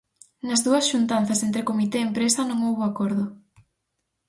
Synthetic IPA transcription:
nɐzðuɐsʃunt̪an̟θɐsent̪ɾɪkomit̪eempɾesɐnõŋowβoakɔɾðʊ

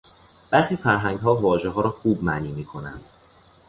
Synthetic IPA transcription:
b̥æɾxiːfæɾɦæŋɡɦɒːvɒːʒeɦɒːɾɒːxuːbmæniːmiːkʰo̞næ̰nd̪̥

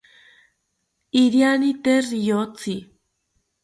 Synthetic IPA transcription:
iɾjanit̪erijot͡si

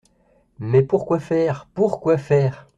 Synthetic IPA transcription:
mɛpuʁkwafɛːʁpuʁkwafɛːʁ

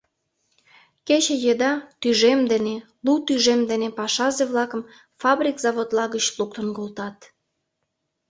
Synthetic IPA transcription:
ket͡ɕejed̪ɑt̪yʒemd̪ene | lut̪yʒemd̪enepɑʃɑzeβlɑkəm | fɑbrʲikzɑβot̪lɑɣət͡ɕluk̚t̪ə̆nkolˠt̪ɑt̪

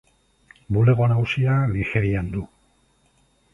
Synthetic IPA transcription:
bule̞ɣo̞nausianixeɾiand̪u

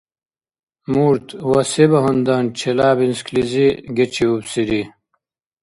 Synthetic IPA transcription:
muːɾt̪wɐsebɐɦund̪ant͡ɕʰelaːbinskliziɡet͡ɕʰiubsiɾi

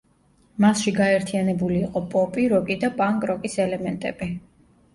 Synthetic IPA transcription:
masʃiɡaɛɾt̪ʰijanɛbuliːqʼɔpʼɔpʼiɾɔkʼid̪apʼaŋkʼɾɔkʼisɛlɛmɛnt̪ʼɛ̰bi

